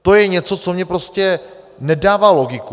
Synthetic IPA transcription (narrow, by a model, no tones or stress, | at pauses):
t̪o̞jɛɲɛt͡so̞t͡somɲɛpɾo̞scɛ | nɛdaːvaːlo̞ɡɪku